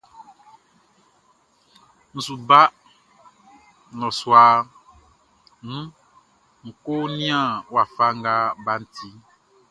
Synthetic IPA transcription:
n̩˨su˨ba˦ | nɔ̃˨swa˨ | nũ˦ | ŋ̩˨ko˦nĩ˦ã˦˨wa˨fa˦ŋ˦ɡa˦ba˦n̩˨t̪ʰi˦

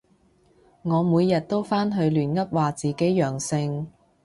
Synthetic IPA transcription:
ŋɔː˨˧muː˨˧jjɐ˨t̚t̪o˥wfaː˥nɦɵ˨˧ɥlyː˨˩nŋɐ˥p̚waː˨t͡siː˨ke˨˥jjœː˨˩ŋsɪ˧ŋ

